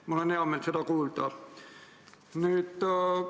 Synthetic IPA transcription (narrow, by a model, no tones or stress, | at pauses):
moleneɑmːelt̪set̪ækuːlt̪ɑˑ | nyˑt̪